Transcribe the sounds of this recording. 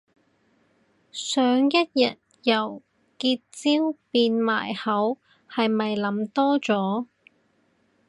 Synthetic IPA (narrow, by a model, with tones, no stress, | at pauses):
sœː˨ŋjɐ˥t̚jɐ˨t̚ | jɐ˨˩w | kiː˧t̚t͡siː˥wpiː˧nma̰ː˨˩jhɐ˨˥w | hɐ˨jmɐ˨jlɐ˨˥mt̪ɔː˥t͡sɔː˨˥